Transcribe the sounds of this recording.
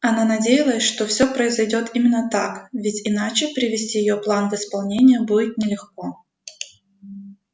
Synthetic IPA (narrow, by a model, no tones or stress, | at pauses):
ɐnanɐdʲejɪlˠəjɪʂt̪ofsʲo̞pɾəɪzɐjdʲo̞t̪imʲɪnːət̪akvʲɪtʲɪnat͡ɕɪpɾʲɪvʲɪsʲtʲijɪjo̞plˠanvɨspɐlˠnʲenʲɪjəbudʲɪt̪̚nʲɪlʲɪxko̞